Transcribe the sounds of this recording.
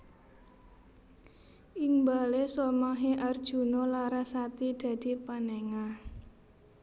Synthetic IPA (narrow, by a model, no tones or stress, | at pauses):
ʔiŋbalesomaɦeʔard̥ʒ̥ṳnɔlaɾasat̪id̪̥a̤d̪̥i̤panɛŋa